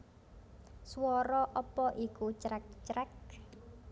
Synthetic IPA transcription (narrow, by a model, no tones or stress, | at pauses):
swɔɾɔʔɔpɔʔikut͡ʃɾɛk̚t͡ʃɾɛk̚